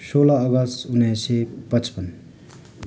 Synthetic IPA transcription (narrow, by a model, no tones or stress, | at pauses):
soːlaːɡʌstunːejsepʌt͡spʌn